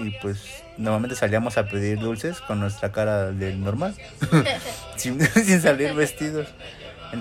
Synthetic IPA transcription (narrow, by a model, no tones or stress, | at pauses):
ipwe̞s | noɾmalme̞nt̪e̞saliamo̞sape̞ðiɾðulse̞sko̞nːwe̞st̪ɾakaɾaðe̞lno̞ɾmal | sinsins̬aliɾβe̞st̪iðo̞s | en